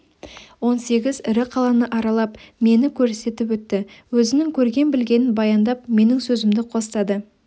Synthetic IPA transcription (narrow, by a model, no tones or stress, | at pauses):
wo̞nse̞ɡʲɪzɪɾɪqʰɑlˠɑnəʔɑɾɑlˠɑpme̞nɪkʲʰɵɾse̞t̪ɪpwɵt̪ːɪwɵzɪnɪŋkʲʰɵɾɡʲe̞nbɪlɡʲe̞nɪnbɑjɑnd̪ɑp̚me̞nɪŋsɵzɪmd̪ɪqʰo̞st̪ɑd̪ə